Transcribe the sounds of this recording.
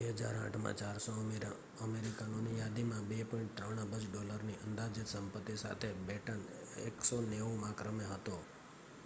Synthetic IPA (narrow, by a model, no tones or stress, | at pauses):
ʋeɦəd͡ʒa̰ɾã̰ʈʰmã̰t͡ʃaɾso | əmeɾikanõnijad̪imãbepɔĩɳʈ̚t̪ɾəɳ̃əbəd͡ʒɖɔləɾniʔənd̪ad͡ʒɪt̪səmpət̪ːisa̰t̪ʰebɛʈənḛksoneʋũmãkɾəmeɦət̪o